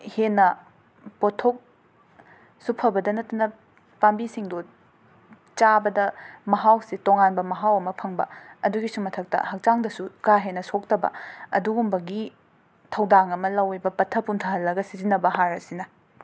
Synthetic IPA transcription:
henːɐ | potʰok̚ | supʰɐbɐdɐnɐtːɐnɐ | pambisiŋdo | t͡ʃabɐdɐmɐɦawsitoŋanbɐmɐɦawɐmɐpʰɐŋbɐ̰ɐduɡisumɐtʰɐk̚tɐ̰hɐk̚t͡ʃaŋdɐsukaɦenːɐsok̚tɐbɐ̰ɐduɡumbɐɡi | tʰɐwdaŋɐmɐlɐwibɐpɐtʰɐpuntʰɐɦɐlːɐɡɐsizinːɐbɐɦaɾɐsinɐ

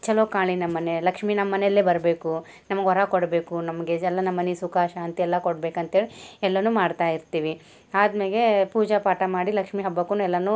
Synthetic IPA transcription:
t͡ʃɛloːkaːɭinɐmːɐnelɐkʂminɐmːɐnelːeːbɐɾbe̞ːku | nɐmɐɡɦɔɾakoɽbe̞ːkunɐmɐɡed͡ʒɛlːɐnɐmːɐnisukaːʃaːɐnt̪iɛlːɐkoɽbeːkɐnt̪ɦeːɭiɛlːɐnuːmaːɖt̪aːjiɾt̪iːʋi | aːd̪meːlepuːd͡ʒɐpaːʈɐmaːɽilɐkʂmiɦɐbːɐkːunuɛlːɐnu

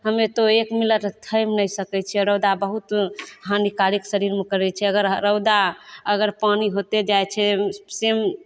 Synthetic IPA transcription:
ɦəmet̪oekmiləʈt̪ʰəjmnəjsəkɛt͡ʃʰɛɾəwd̪abəɦut̪ɦanikaɾiksəɾiɾmekəɾɛt͡ʃʰɛəɡəɾɾəwd̪aəɡəɾpaniɦot̪ed͡ʒajt͡ʃʰɛsem

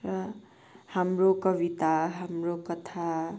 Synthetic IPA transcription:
rʌ | hamrokʌbit̪aɦamrokʌt̪ʰa

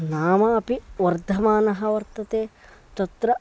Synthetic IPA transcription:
naːmɐɐpiʋɐɾd̪ʱɐmaːnɐɦɐʋɐɾt̪ɐt̪eːt̪ɐt̪ɾɐ

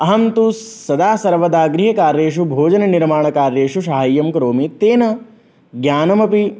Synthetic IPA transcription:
ɐɦɐmt̪uː | ɐd̪aːsɐɾʋɐd̪aːɡɾiɦɐkaːɾeːʃubʱoːd͡ʒɐnɐniɾmaːɳɐkaːɾeːʂuʃaːɦɐjːɐmkɾoːmit̪eːnɐ | ɡjaːnɐmɐpi

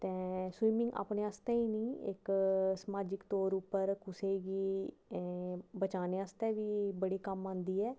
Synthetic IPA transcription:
t̪ɛ̃ːswiːmɪ̃ŋɡa̰ːpneːast̪ɛ̃ːiːnĩːɪ̰ksəmaːd͡ʒɪkt̪oːɾupːəɾkʊseːɡiː | bət͡ʃaːneːast̪ɛːʋiːbəɽiːkəmãːnd̪iːɛː

